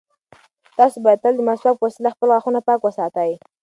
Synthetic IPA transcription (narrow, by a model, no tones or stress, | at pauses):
t̪ɑsobɑjat̪əld̪əmaswapwasɪlaxpəlɣaxunapɑkwəsɑt̪aj